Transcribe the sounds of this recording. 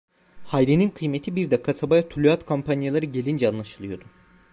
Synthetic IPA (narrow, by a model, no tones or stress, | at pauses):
hajɾeninkʰɯjmet̪ʰibiɾd̪ɛkʰːat̪ʰabajat̪ʰulʲuat̪kʰompʰanjalˠaɾɯɟe̞lʲind͡ʒɛanlˠaʃɯlˠɯjo̞d̪ʊ